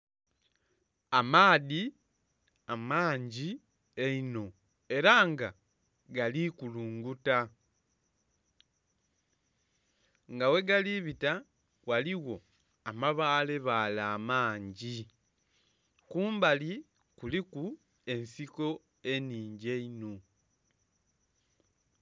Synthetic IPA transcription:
amaːði | amaːɲɟi | eino̞ | e̞ɾaŋɡa | ɡalikuluːŋɡuta | ŋɡawe̞ɡaliβita | waliwo̞ | amaβaːle̞βalaːmaːɲɟi | kuːmbali | kuliku | e̞nsiko̞ | e̞niːɲɟe̞ino̞

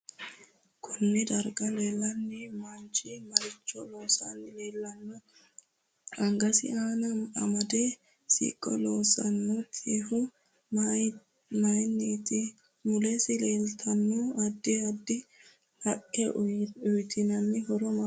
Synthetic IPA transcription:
kʰʊnːɪd̪ɐɾɡɐleːlːɐnːɪmɐnt͡ʃɪmɐɾɪt͡ʃːɔloːsa̰nːɪle̞ːlːɐnːɔ | ɐŋɡɐsɪ̰aːnɐɐ̰mɐd̪e | sḭːkʼːɔloːsɐnːɔt̪ʰihʊ | mɐjnːit̪ɪ | mʊlesɪleːlt̪ʰɐnːɔɐd̪ːɪɐd̪ːɪ | hɐʔʼɛʊjt̪ʰɪnɐnːɪɦɔɾɔmɐ

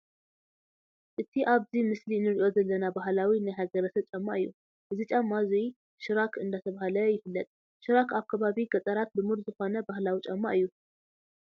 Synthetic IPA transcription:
ʔɨt̪ʰːiʔaβzihmɨsliɨnɨɾt͡ʃʼozəlːənabaɦlawinːajɦaɡəɾəsəβt͡ʃʼamːaʔjṵ | ʔɨzɨt͡ʃʼamːazuj | ʃɨɾakʰɨnd̪at̪ʰəβahləjɪfɨlːət̪ʼ | ʃɨɾakʰakʰaβaβiɡət̪ʼəɾat̪̚bɨmuɾzɨhonəbahlawit͡ʃʼamːa̰ʔjːu

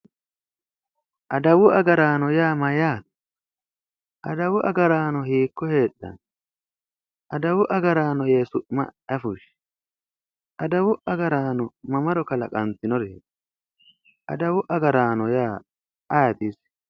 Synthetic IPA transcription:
ʔɐd̪ɐwʊɐɡɐɾaːnɔjaːmɐjaːt̪ | ʔɐd̪ɐwʊʔɐɡɐɾaːnɔhiːkːɔhe̞ːɗːɐ̰n | ʔɐd̪ɐwʊʔɐɡɐɾaːnɔje̞ːsʊʔmɐ̰ɐfʊʃ | ʔɐd̪ɐwʊʔɐɡɐɾaːnɔmɐmɐɾɔkɐlɐkʼɐnt̪ɪnɔɾɛ | ʔɐ̰d̪ɐwʊʔɐɡɐɾaːnɔjaː | ɐjɐt̪iːs

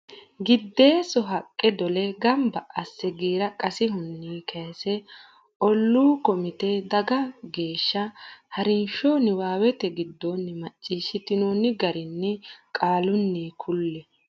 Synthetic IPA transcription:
ɡɪd̪ːe̞ːsɔɦɐkʼːɛd̪ɔlɛɡɐmbɐʔɐsːɛɡiːɾɐkʼɐsɪɦʊnːiːkʰɐsɛ | ʔɔlːuːkɔmɪt̪ɛd̪ɐɡɐɡe̞ːʃːɐhɐɾɪnʃoːnɪwaːwɛt̪ɛɡɪd̪ːoːnːɪmɐt͡ʃʼːiːʃːɪt̪ɪnoːnːɪɡɐɾɪnːɛkʼaːlʊnːiːkʰʊlːɛ

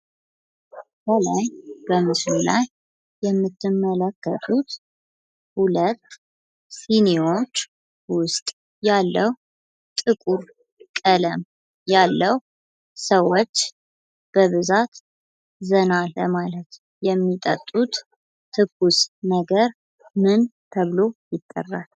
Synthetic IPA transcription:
bəlajb̥əmɨslula̰jː | ɛmːɨt̪ːɨmːələkːət̪ʰʼut̪ | hulət̪ː | sinio̞t͡ʃː | wʊst̪ʼ | jalːəw | t̪ʼɨkʼuɾ | kʼələm | jalːəw | səwot͡ʃː | b̥əβɨzat̪ | zənaləmalət̪ | jɛmːit̪ʼə̰t̪ʼːut̪ | t̪ʰɨkusnəɡəɾ | mɨnt̪ʰəβɨlojɪt̪ʼːə̰rːal

